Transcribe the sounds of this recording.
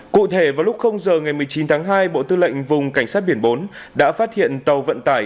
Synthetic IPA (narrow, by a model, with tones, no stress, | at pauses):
kṵ˧˨t̪ʰe˧˩vaː˨˩wlʊ˦˥k͡p̚xə˧wŋ͡mzəː˨˩ŋa˨˩jmɨ˨˩əjt͡ɕi˨˦nt̪ʰaː˨˦ŋɦaː˧jɓo̰˧˨t̪ɨ˧lə̰˧˨jŋ̟vʊ˨˩ŋ͡mka˧˩jŋ̟saː˦˥t̚ɓi˧˩ənɓo˨˦nɗa̰ː˧˥faː˦˥t̚hḭ˧˨ənt̪ə˨˩wvə̰˧˨nt̪aː˧˩j